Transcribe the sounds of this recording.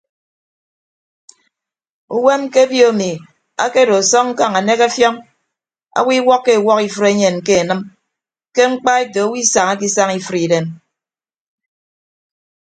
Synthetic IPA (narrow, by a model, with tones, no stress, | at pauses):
u˦we˦m˦ke˦bjo˦a˨mi˨ | a̰˦ke˦do˨sɔ˦ŋŋ̩˦ka˦˨ŋa˨ne˦ka˦fjɔ˦ŋ | a̰˦wi˦wɔ˦kːe˦˨wɔ˦ki˦fɨ˦ɾe˦ɲe˨nke˦e˨nɨ˦m | ke˦ŋ͡m̩˦k͡pa˦e˦to˨a˦wi˦sa˨ŋa˦k̬i˦sa˦ŋi˦fɨ˦ɾi˨de˨m